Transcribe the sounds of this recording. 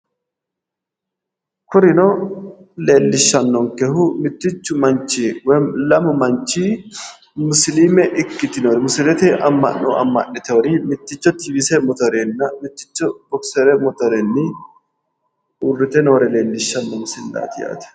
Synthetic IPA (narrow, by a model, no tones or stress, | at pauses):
kʊɾɪnɔ | le̞ːlːɪʃːɐnːɔŋkɛhʊmɪt̪ːɪt͡ʃːʊmɐnt͡ʃiwlɐmɐmɐnt͡ʃiː | mʊslimɛʔɪkːɪt̪ɪnoːɾɛmʊsɪlɛt̪ɛʔɐmːɐ̰nːo̰ɐ̰mːɐ̰nːɪt̪ɛwɔɾimɪt̪ːɪt͡ʃːɔt̪ibisɛmɔt̪ɔɾenːɐmɪt̪ːɪ̥t͡ʃːɔbɔksɛɾɛmɔt̪ɔɾenːɪ | uːrːɪt̪ɛnoːɾɛle̞ːlːɪʃːɐnːɔmʊsɪlːa̰ːt̪ɪja̰ːt̪ɛ̥